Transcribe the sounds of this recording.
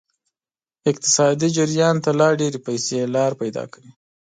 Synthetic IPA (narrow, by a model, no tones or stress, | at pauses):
ɪq̚t̪ɪ̥sɑd̪id͡ʒɪɾjɑnt̪alɑɖeɾepajselɑɾpajd̪ɑ̰kawi